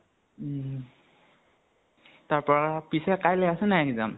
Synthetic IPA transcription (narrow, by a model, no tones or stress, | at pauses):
t̪aɾpəpisɛkajleəsənajekd͡za̰m